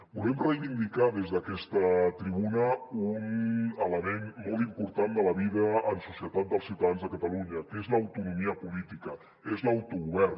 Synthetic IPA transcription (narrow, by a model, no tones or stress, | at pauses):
bulɛmrəjβind̪ikaðezðəkɛst̪ət̪ɾiβunəunələmenmɔlˠt̪impuɾt̪and̪ələβiðəːnsusiət̪at̪̚d̪əlˠsiuwt̪əðanzðəkət̪əluɲəkezləːwt̪unumiəpulit̪ikə | ezləwt̪uɣuβɛr